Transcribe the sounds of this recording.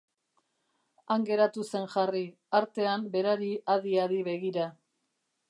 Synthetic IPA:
aŋɡe̞ɾat̪use̞nʝari | aɾt̪e̞ambe̞ɾaɾiʔaðiaðiβe̞ɣ̞iɾa

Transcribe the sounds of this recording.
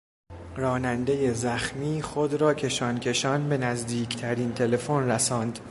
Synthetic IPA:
rɒːnænd̪e̞je̞zæxmiːxod̪ɾɒːcʰe̞ʃɒːncʲʰe̞ʃɒːnbe̞næzd̪iːcʰt̪ʰæɾiːnt̪ʰe̞le̞fonræsɒːnd̪

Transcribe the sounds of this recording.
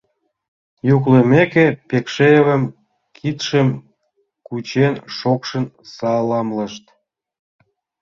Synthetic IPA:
juklemekepekʃeeβəm | kʰit̪ʃəm | kut͡ɕenʃokʃə̆n | sɑlɑmləʃt̪

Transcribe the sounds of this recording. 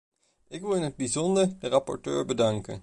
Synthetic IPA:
ɪkʋɪlˠɪnɦəd̚bizɔndəɹərɑpɔ̰ɹtøːɹbədɑŋkə̰n

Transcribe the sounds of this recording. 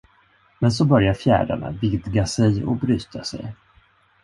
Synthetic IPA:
mɛns̬ɔbœɾjaɾfjæ̰ːɖa̰ɳa̰vɪd̪ɡasɛjɔ̰bɾyːt̪ʰasɛ̰j

